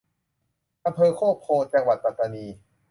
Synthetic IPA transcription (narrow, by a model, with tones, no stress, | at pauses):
ʔa˧mpʰɤː˧kʰoː˥˩p̚kʰoː˧t͡ɕa˧ŋwa˨˩t̪̚pa˨˩t̪ːa˧niː˧